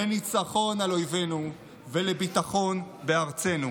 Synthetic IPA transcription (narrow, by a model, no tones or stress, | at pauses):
enit͡saχo̞nalo̞jve̞nu | velebitaχo̞nbe̞aʁt͡se̞nu